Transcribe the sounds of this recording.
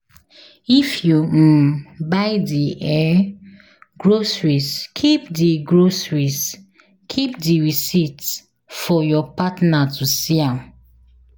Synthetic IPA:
ifjubaɪdiʔɛ | ɡɹosɹiskʰipdiɡɹosɹis | kʰipdiɹisit | fɔjɔpatnatʰusiãm

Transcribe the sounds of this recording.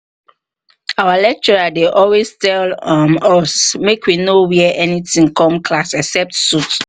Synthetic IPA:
awalɛk̚t͡ʃɔɹadeʔɔlwestɛlɔmɔsmekwinowiʔɛnitĩŋkɔ̃mkʰlasɛksɛp̚tsut

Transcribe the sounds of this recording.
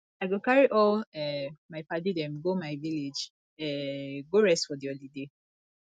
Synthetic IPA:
aɪɡokaɹiʔɔlɛmaɪpadidɛ̃mɡomaɪviled͡ʒ | ɛɡoɹɛstfɔdiolide

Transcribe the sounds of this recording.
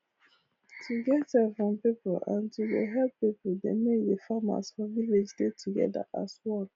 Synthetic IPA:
tʰuɡɛtɛfɹɔ̃mpipɔlã̰ntudḛɦɛlppipodḛmedefama̰sfɔviled͡ʒdetʰuɡɛ̰da̰ʔa̰swɛl

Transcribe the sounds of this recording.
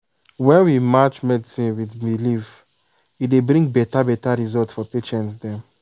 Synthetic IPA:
wɛ̃nwimat͡ʃmɛdisĩnwidbilif | idebɾĩŋɡ̚bɛtabɛtaɹizɔltfɔpeʃɛ̃ntsdɛ̃m

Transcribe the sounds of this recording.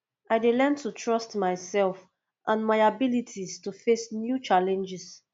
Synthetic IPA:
ʔajdelɛntʰutʰɹɔstmaɪsɛlf | ʔãnmaɪabilitʰistufesnjut͡ʃalɛ̃nd͡ʒɪs

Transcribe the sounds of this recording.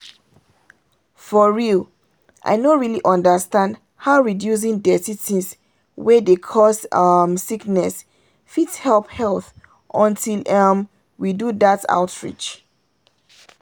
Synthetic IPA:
fɔɹiu | ʔa̰jnoɹiliʔɔ̃ndəstãnd | haʊɹidjus̬ĩŋdɛtitʰis | wɛdekʰɔsmsiknɛs | fitshɛlphɛlθ | ʔɔ̃ntilam | widudata̰ʊtʰɹḭt͡ʃ

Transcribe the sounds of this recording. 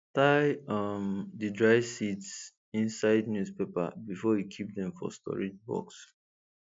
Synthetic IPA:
taɪʌmdɨdɹaɪvsits | ĩnsaɪdnjuspepa̰bifɔjikʰip̚dɛ̃ɱfɔ̰stʰɔ̰ɹid͡ʒbɔ̰ks

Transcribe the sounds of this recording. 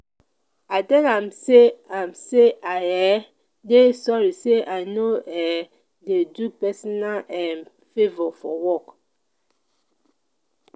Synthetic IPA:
aɪtɛ̃nãmseãmseaɛ | desɔɹiseʔanoɛ | dedupɛsɔnalɛ̃n | fevɔfɔwɔk

